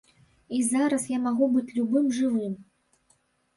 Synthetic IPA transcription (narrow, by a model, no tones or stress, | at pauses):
izaɾɐsjamaɣubɨt͡sʲlʲubɨmʐɨvɨm